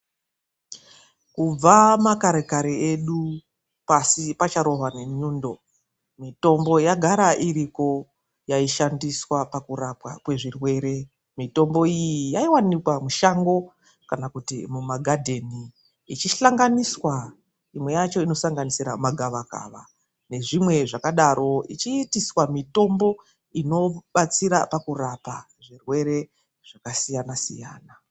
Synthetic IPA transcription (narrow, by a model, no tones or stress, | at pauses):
kub͡vamakaɾekaɾeeɗu | pasipat͡ʃaɾo̞ɦwane̞ɲuːndo̞ | mito̞mbo̞jaɡʱaɾaʔiɾiko̞ | jaiʃandiswapakuɾapwa̰kwe̞ʐirwe̞ɾe̞ | mito̞mbo̞ijijaiwanikwamuʃaŋɡo̞ | kanakutḭmumaɡʱadʱe̞niː | t͡ʃiɬaŋɡaniswa | imwe̞jat͡ʃo̞ino̞saŋɡanisiɾamaɡʱaʋaka̰ʋa̰ | ne̞ʐimwe̞ʐakaɗaɾʔo̞it͡ʃiːtiswamito̞mbo̞ | ino̞ɓat͡siɾa̰pakurapa | ʐirwe̞ɾe̞ | ʐ̥akasijanasḭja̰ːna